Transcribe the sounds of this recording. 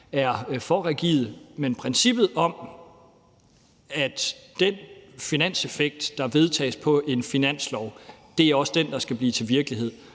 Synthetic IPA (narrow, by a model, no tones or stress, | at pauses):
æɐfɒʁɛɡ̥ḭːð̞ˠmenpʰʁɛnsib̥ð̩ˠɒ̽m | æd̥d̥enfinæn̰se̝feɡ̥̚d̥ːɑ̈ʋe̝ð̞ˠt͡sʰɛ̰ːɪspʰɒ̽ʔe̝nfinæn̰slɒʊd̥e̝æɐɒ̽səd̥end̥ɑ̈sɡ̥æb̥liːt͡sʰe̝lʋiɐɡ̥liɦe̝ð̞̰ˠ